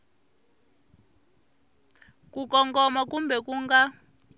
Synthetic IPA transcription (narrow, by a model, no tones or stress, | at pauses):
kukɔŋɡɔmakumbɛkuŋɡa